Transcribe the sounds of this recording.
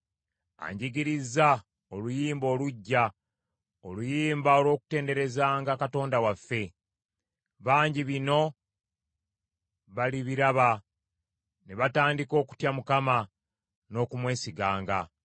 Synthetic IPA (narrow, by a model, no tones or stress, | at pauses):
a̰ɲɟiɡiɾiza | o̞lujiːmbo̞ːluɟːa | o̞lujiːmbao̞lwo̞ːku̥te̞ːnde̞ɾe̞zaːŋɡakato̞ːndawafːe̞ | βaːɲɟiβino̞ | βaliβiɾaβa | neβataːndiko̞ːku̥tjamukama | no̞ːkumwe̞ːsiɡaːŋɡa